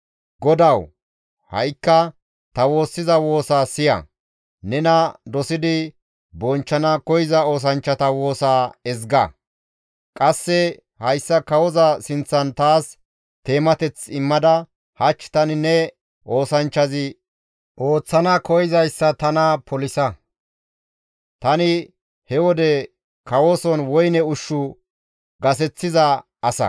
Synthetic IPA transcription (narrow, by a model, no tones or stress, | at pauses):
ɡɔd̪ɐw | hɐ̰jkːɐ | t̪ɐwo̞ːsːɪzɐwo̞ːsaːsɪjɐ̰ | nɛnɐd̪ɔsɪd̪ɪ | bɔnt͡ʃːɐnɐkɔjɪzɐo̞ːs̬ɐnt͡ʃːɐt̪ɐwo̞ːsaːɛzɡɐ̰ | kʼɐsːɛ | hɐjsːɐkɐwɔzɐsɪnt͡sːɐnt̪aːs | t̪e̞ːmɐt̪ɛt͡sɪmːɐd̪ɐ | hɐt͡ʃːt̪ɐnɪnɛ | ʔo̞ːsɐnt͡ʃːɐzɪ | ʔo̞ːt͡sːɐnɐkɔjɪzɐjsːɐt̪ɐnɐpʰɔlɪsɐ | t̪ɐnɪ | hɛwɔd̪ɛ | kɐwoːsɔnwɔjnɛʊʃːʊ | ɡɐsɛt͡sːɪzɐ | ɐsɐ̰